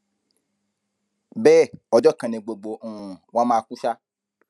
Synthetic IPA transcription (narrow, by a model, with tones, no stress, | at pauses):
bɛ˦˨ɔ˨d͡ʒɔ˦kã˨nẽ˨ɡ͡bo˨ɡ͡bo˨ũ˨wɔ̃˦mãː˦˧kũ˦ʃa˦